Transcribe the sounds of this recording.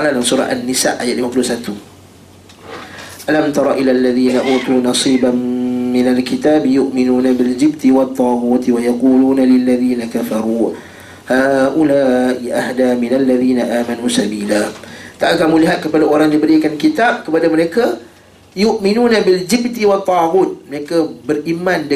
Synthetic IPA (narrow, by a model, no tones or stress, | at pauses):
aladansuɾa̰ʔanːisa̰ʔajat̪̚limapulusat̪u | ʔalamt̪ɑɾˤɑʔilalːaðiːnaʔuːt̪uːnɑsiːbaːɪnalkit̪aːbjʊʔminuːnabɪld͡ʒɪb̚t̪iwɑt̪ˤːɑːɣuːt̪wajaquːluːnalɪlːaðiːnakafɑɾuː | haːʔulaːʔiʔahdamɪnalːaðiːnaʔaːmanuːsabiːlaːt̪aʔakamũliɦat̪̚kəpadaoɾaŋdibəɾikankit̪ab̚kəpadaməɾeka | jʊʔminunabild͡ʒɪb̚t̪iwɑt̪ˤːɑːɣut̪̚məɾekabərimandə